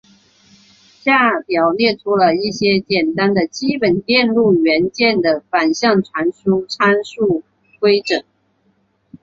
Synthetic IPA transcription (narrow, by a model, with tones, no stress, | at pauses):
ɕja˥˩pjɑ˨˩ʊnjɛ˥˩ʈ͡ʂʰu˥lə˧i˥˩ɕjɛ˥t͡ɕjɛ˨˩nt̪a˥nd̪ə˨t͡ɕi˥pə˨˩nt̪jɛ˥˧nlu˥˩ɥɛ˧˥nt͡ɕjɛ˥˩nd̪ə˩fa˨˩nɕjɑ˥˩ŋʈ͡ʂʰwa˧˥nɕu˥ʈ͡ʂʰa˥nʂu˥˩ | tʰwe˥ɪʈ͡ʂɤ˨˩˦